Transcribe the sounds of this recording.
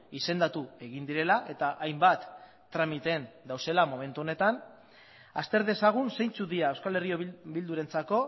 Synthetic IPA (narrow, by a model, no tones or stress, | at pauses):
ise̞nd̪at̪ue̞ɣ̞ind̪iɾe̞laʔe̞t̪aʔajmbat̪ː | ɾamit̪e̞nd̪awse̞lamo̞me̞nt̪uone̞t̪an | a̰st̪e̞ɾðesaɣ̞unse̞jnt͡suðiae̞wskale̞rio̞bild̪uɾe̞nt͡sako̞